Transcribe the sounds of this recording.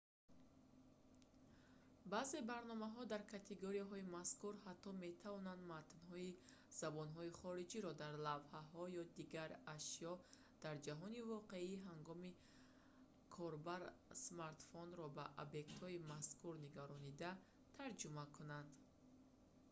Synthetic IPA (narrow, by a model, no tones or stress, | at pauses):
baːze̞baɾnɔmaɦɔd̪aɾkʰat̪ʰeɡoɾiaɦɔimaskuɾhat̪ʰːɔme̞t̪ʰavɔnand̪mat̪nɦɔi | z̥abɔnɦɔiχɔɾid͡ʒiɾɔd̪aɾlavhaɦɔjɔd̪iɡaɾaʃjɔ | d̪̥aɾd͡ʒaɦɔnivɔqe̞iɦaŋɡɔmi | kʰɔɾbaɾsmaɾt̪fɔnɾɔbaʔobje̞k̚t̪hɔimaskuɾniɡaɾɔnid̪a | t̪ʰaɾd͡ʒumakʰunand̪